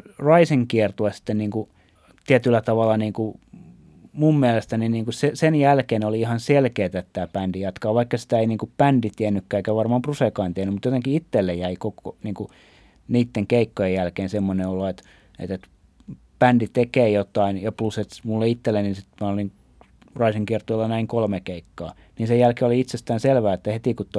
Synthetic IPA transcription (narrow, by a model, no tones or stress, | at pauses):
rɑiseŋkiɛrt̪uɑsi̥t̪ːenniːŋku | t̪iæt̪ylːˑæt̪ɑʋɑlːɑniːŋku | mummiælest̪æniniːŋkusesenjælkeːnoliihɑnselkeːt̪æet̪t̪æːpændijɑt̪kɑːʋʋɑikːɑsi̥t̪æeiniːŋkuppændit̪iɛnːykːæːeˑikæʋɑrmɑːmpruseˑkɑint̪ienymut̪jot̪eŋkiit̪ːelːejjæikoko̰niːŋku | niːt̪ːeŋkeikːojejjælkeːnsemːoneoloet̪ | ḛt̪et̪ | pændit̪ekeːjot̪ɑinjɑpluset̪mulːeit̪ːelːeniːnsit̪mæoliŋ | rɑisiŋkiɛrt̪oilːɑnæiŋkolmekeikːɑː | niːnsejjælkeoliit̪sest̪æːnselʋæːet̪ːæhet̪ikut̪ːo